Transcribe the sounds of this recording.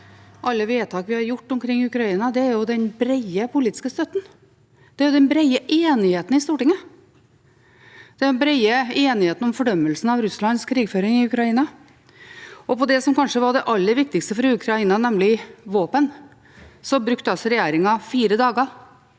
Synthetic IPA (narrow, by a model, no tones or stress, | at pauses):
ʔɑlːəʋeːt̪ʰɑːkʋɪhɑɾjʊʈːɔmkʰɾɪŋːɪʉkɾɑiːnɑd̪ɛæɾjʊd̪ɛnbɾɛɪəpʰʊliːt̪ɪ̥skəst̪œt̪ːən̩ | d̪̥ɛæɾjʊd̪ɛnbɾɛɪəʔeːnɪheːt̪n̩ɪst̪uːʈɪŋə | d̪̥ɛnbɾæɪəeːnɪheːt̪ənɔmfɔɖœmːəlsn̩ɑʋɾʉslɑnskʰɾiːɡføːɾɪŋɪʉkɾɑiːnɑ | ʔɔpɔd̪ɛsɔmkɑnʂəʋɑɖ̪ɛʔɑlːəɾʋɪkt̪ɪɡkst̪əfɔɾʉkʰɾɑiːnɑnɛmlɪʋoːpən | sɔbɾʉkt̪əɑsɔɾɛjeːɾɪŋɑfiːɾəd̪ɑːɡə